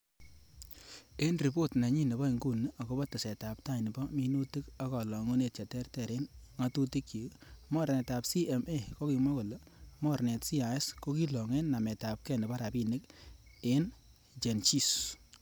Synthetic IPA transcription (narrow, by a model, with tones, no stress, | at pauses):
e˦nri˨bo˦tna˨ɲi˦˨ne˨bɔ˦i˨ŋɡu˦˨ni˦ʔa˨ko˦bɔ˦tɪ˨sɛ˨ta˨pta˦˨ni˨bɔ˦mi˦nu˦ti˦ka˦kɔ˨lɔ˨ŋo˦ne˨t̚t͡ʃa˨tɛ˦rtɛ˨ɾe˦nŋa˦tu˦ti˦kt͡ʃi˨mɔ˦ɾnɛ˨ta˨psi˦ʔɛ˨mʔe˦ko˦ki˨mɔ˦ko˨le˦ | mɔ˦ɾnɛ˨tsi˦a˨˦sko˦ki˦lɔ˨ŋe˦nːa˨mɛ˨ta˨p̚kɛ˦˨nɪ˨ba˦ɾa˨bi˦˨nɪ˦ke˦n | d͡ʒe˨nt͡ʃi˦s